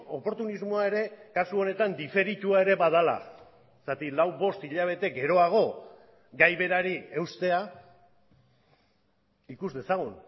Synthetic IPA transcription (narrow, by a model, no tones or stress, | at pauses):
o̞po̞ɾt̪unizmoae̞ɾe̞kasuo̞ne̞t̪and̪ife̞ɾit̪uae̞ɾe̞βað̞ala̰ | sat̪ilawβo̞st̪iʎaβ̞e̞t̪e̞ɡe̞ɾo̞aɣ̞o̞ | ɡajβe̞ɾaɾie̞wst̪e̞a | ikuzðe̞saɣun